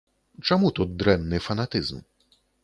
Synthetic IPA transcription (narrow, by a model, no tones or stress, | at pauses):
t͡ʂɛmut̪ɔd̪ɾɛmnɘfanat̪ɘzm